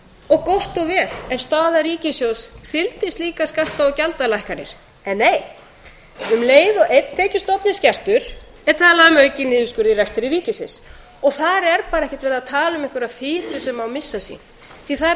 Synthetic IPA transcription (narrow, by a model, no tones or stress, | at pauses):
ɔɣkɔht̪ɔɣvɛːl̥ɛɾ̥st̪aːðaɾiːcɪsjowsθɪlt̪ɪst̪liːkaskar̥t̪aɔcalt̪alajhkaɾɪ̰ɾ̥ | ɛnːeːj | ʏmleːjðɔʔet̪ʰːɛːcʏst̪ɔpnɪscar̥t̪ʏɾ̥ | ɛɾ̥t̪ʰaːlaʏmœːɥcɪnɪːðʏskʏɾðirɛkst̪ɪɾiɾiːcɪsɪ̰ns | ɔɣθaɾɛɾpaːɾaɛhcɪ̥t̪vɛːɾðat̪ʰaːlʏmɪhkvʏɾaðfɪːt̪ʏsɛmawmɪsːasḭn | θiθaðɾ